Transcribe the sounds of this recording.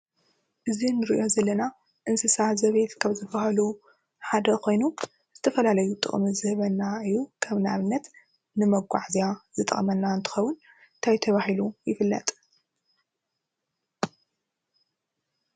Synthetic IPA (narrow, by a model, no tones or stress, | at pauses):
ʔɨzinɨɾiʔo̞zɐlɐna | ʔɨnsɨsazɐβet̪kʰaβzɨbahɐlu | ħad̪ɐkʰo̞jnu | z̥ɨt̪ʰɐfɐlalɐjut̪ʼɨ̰χʼmizɨhɨβɐnːaɨjːukʰɐβnaβɨnːɐt̪ | nɨmɐɡʷa̰ʕzijaz̥ɨt̪ʼχʼmɐnːaɨnt̪ʰɨ̥xɐwʊn | t̪ʰajt̪ʰɐβahilujɪfɨlːɐ̰t̪ʼ